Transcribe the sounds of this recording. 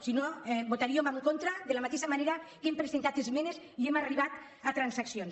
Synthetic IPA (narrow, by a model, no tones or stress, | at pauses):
sinobot̪aɾiomaŋkont̪ɾaðelamat̪eʃamaneɾakempɾezent̪at̪ezmenesiemariβat̪ | at̪ɾansaksions